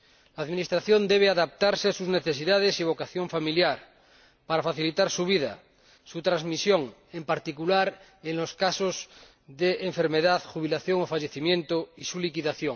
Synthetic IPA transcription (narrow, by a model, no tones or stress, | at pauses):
laːðminist̪ɾaθjond̪eβ̞eaðap̚t̪aɾseasuzne̞θe̞siðað̞esiβ̞o̞kaθjoɱfamiljaɾ | paɾafaθilit̪aɾsuβ̞iða̰ | sut̪ɾazmisjoŋ | empaɾt̪ikulaɾ | enlo̞skasoz | ðeeɱfe̞ɾmeðaðxuβ̞ilaθjoŋofaʎeθimjẽnt̪oisulikiðaθjoŋ